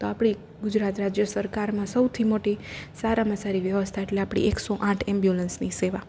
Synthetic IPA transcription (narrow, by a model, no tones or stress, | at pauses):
t̪oapɽ̃i | ɡʊd͡ʒɾat̪ɾad͡ʒjəsəɾkaɾmãsəwt̪ʰimoʈisaɾaməsaɾiʋjəʋəst̪ʰaeʈleapɽ̃ḭeksoʔãʈʰɛmbjulənsniseʋa